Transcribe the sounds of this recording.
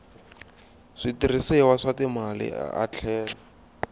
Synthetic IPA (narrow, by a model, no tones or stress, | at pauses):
ʂitirisɪwaʂatɪmalɪ̰a̰t͡ɬʰɛːlɔ